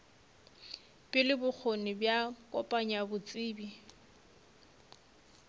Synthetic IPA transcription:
pʼɪlɪbʊk͡xʰonɪbjakʼɔpʼaɲabʊt͡sʼiːbi

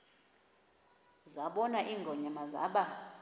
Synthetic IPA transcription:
zaɓɔnaʔiːŋɡʱɔɲamaza̰ɓa

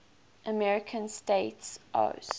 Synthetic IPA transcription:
ʔəmɛɹɪkʰə̃nsteɪtsʔo̰s

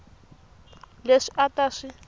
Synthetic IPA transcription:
leʂiʔataːʂi

